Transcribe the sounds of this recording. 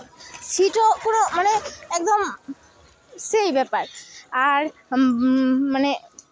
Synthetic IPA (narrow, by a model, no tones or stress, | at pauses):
siʈokonomaneɛk̚d̪ɔm | sejbɛpaɾaɾ | mane